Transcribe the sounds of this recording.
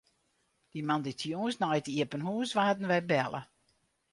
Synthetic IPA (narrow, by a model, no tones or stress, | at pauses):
d̥imanditʰjoəsnɔjtiəpənhuəsʋaːdn̩ʋɛjbɛlˠə̰